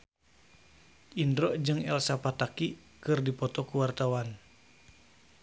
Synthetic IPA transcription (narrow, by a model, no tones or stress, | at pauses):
ʔindɾɔd͡ʒɨŋɛlsapat̪aki | kɨrdipɔt̪ɔkuwart̪awan